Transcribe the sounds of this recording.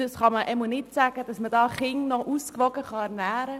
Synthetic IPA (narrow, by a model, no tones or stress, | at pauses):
əsχɑməʔɛmənɪtsæɡ̥əd̥ɑsmədɑːχɪŋnɔʔuskʋɔɡəχɑæɾnæːɾə